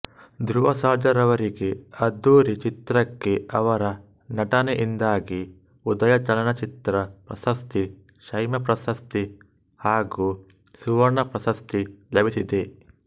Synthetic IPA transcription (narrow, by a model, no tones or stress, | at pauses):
d̪ɾuʋɐsaːd͡ʒɐɾɐʋɐɾiɡe̞ɐd̪uːɾit͡ʃit̪ɾɐkːeɐʋɐɾɐ | nɐʈɐneʔind̪aːɡi | ud̪ɐjɐt͡ʃɐlɐnɐt͡ʃit̪ɾɐpɾɐ̰sɐst̪i | ʃɐjmɐpɾɐsɐst̪i | haːɡuː | suʋɐɾɳɐpɾɐsɐst̪ilɐbisid̪e